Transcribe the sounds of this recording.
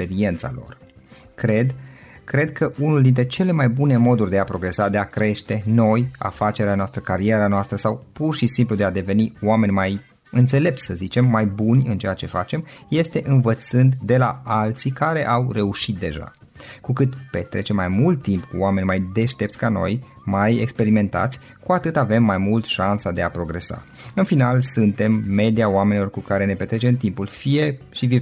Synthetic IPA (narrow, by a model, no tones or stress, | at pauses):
speɾie̞nt̪sa̰lo̞̰r | ked̪kɾe̞d̪kʰəʔunuld̪int̪ɾe̞t͡ʃe̞le̞majbune̞mo̞d̪urʲd̪e̞apɾo̞ɡɾe̞sad̪e̞akɾe̞ʃt̪e̞no̞ja̰fat͡ʃe̞ɾeanoast̪ɾəkaɾie̞ɾanoast̪ɾəsawpurʃisimplud̪e̞ad̪e̞ve̞niwame̞nʲmaj | ɨnt̪se̞le̞p̚t̪səzit͡ʃe̞mːajbunʲɨnt͡ʃe̞jat͡ʃe̞fat͡ʃe̞mje̞st̪e̞ʔɨnvət̪sɨnd̪d̪e̞laalt̪sikaɾe̞ʔawre̞uʃit̪̚d̪eʒa̰ | kukɨt̪pe̞̰t̪ɾe̞t͡ʃe̞mːajmult̪ːimpkuoame̞nʲmajd̪e̞ʃt̪e̞pt̪sʲkano̞̰j | majekspe̞ɾime̞nt̪a̰t̪sʲ | kuat̪ɨt̪ave̞mːajmult̪ʃansad̪eapɾo̞ɡɾe̞sa̰ | ɨnfinalsɨnt̪e̞mːe̞d̪iaoame̞nilo̞rkukaɾe̞ne̞pe̞t̪ɾet͡ʃe̞mt̪impulfije̞ʃivi